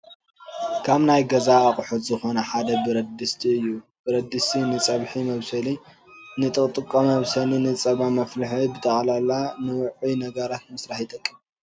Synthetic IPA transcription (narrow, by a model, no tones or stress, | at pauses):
kʰaβnajɡɐzaːχʼħut̪zɨxo̞nɐħad̪ɐbɨɾɐd̪ɨst̪ʰiɨjːub̥ɨɾɐd̪ːɨst̪ʰinɨt͡sʼɐβħimɐβsɐli | nɨt̪ʼɨkʼt̪ʼɨkʼːomɐβsɐlinɨt͡sʼɐβamɐflɨħibɨt̪ʰɐχʼlalanɨwʊʕunɐɡɐɾat̪mɨsɾaħjit̪ʼɐkʼːim